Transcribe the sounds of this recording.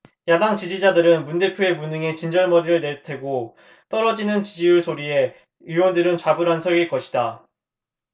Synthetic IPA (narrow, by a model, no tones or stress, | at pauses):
jadaŋt͡ɕid͡ʑid͡ʑadɯɾɯnmunde̞pʰjoe̞munɯŋe̞t͡ɕind͡ʑʌɭmʌɾiɾɯɭne̞tʰe̞ɡo | t͈ʌɾʌd͡ʑinɯnt͡ɕid͡ʑijuɭsʰoɾie̞ | iwʌndɯɾɯnt͡ɕwabɯɾɦansʰʌɭɡiɭk͈ʌɕʰida